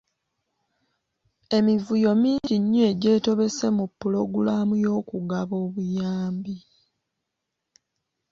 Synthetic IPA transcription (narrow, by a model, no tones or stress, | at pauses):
e̞mivujo̞miːɲɟiɲːoeɟe̞ːto̞βe̞se̞mupːulo̞ɡulaːmujo̞ːkuɡaβo̞ːβujaːmbi